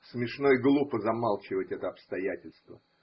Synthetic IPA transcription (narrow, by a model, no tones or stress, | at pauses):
smʲɪʂno̞jɡlˠupəzɐmalˠt͡ɕɪvətʲɛt̪əɐpst̪ɐjætʲɪlʲst̪və̰